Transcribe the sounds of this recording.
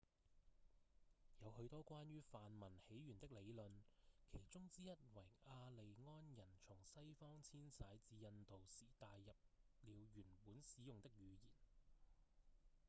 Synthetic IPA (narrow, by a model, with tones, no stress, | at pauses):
jɐ˨˧whɵ˧t̪ɔː˥kʷwaː˥nɥyː˥faː˨nmɐ˨˩nhe˨˥jɥyː˨˩nt̪ɪ˥k̚le˨˧jlɵ˨nkʰe˨˩jt͡sʊ˥ŋt͡siː˥jɐ˥t̚wɐ˨˩jaː˧le˨jŋɔː˥njɐ˨˩nt͡sʰʊ˨˩ŋsɐ˥jfɔː˥ŋt͡sʰiː˥nsaː˨˧jt͡siː˨˧jɐ˧nt̪o˨wsiː˨˩t̪aː˨jːɐ˨p̚liː˨˧wjyː˨˩npuː˨˥nsiː˨˥jʊ˨ŋt̪ɪ˥k̚jyː˨˧jiː˨˩n